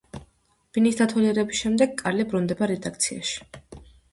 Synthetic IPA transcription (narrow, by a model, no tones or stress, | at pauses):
b̥inisd̪at̪ʰaliɛɾɛbisʃɛmd̪ɛɡ̚kʼaɾlibɾund̪ɛbaɾɛd̪ak̚ʰt̪sʰia̰ʃi̥